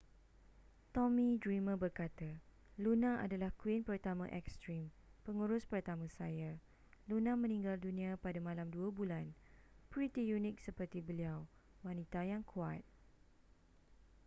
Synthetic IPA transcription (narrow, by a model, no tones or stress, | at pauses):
t̪ɔmĩdɹimə̃bərkat̪a | lunãʔa̰dalahkuɪnpərt̪amã̰ʔɛkst̪ɾim | pəŋuɾʊspərt̪amãsaja | lunãmə̃nĩŋɡaldunĩapadamãlamduəbulanpɾit̪ijunɪk̚səpərt̪ibəliawwanĩt̪ajaŋkʰua̰t̪̚